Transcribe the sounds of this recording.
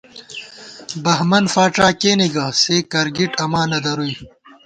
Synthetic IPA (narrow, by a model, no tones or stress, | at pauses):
bɐɦmɐnfaːʈ͡ʂaːkeːniɡɐseːkɐɾɡiʈɐmaːnɐd̪ɐɾuj